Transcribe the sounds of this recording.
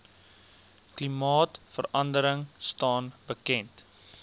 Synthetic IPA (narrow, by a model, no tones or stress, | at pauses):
klimɑːtfəɾɐndəɾəŋstɑːnbəkɛnt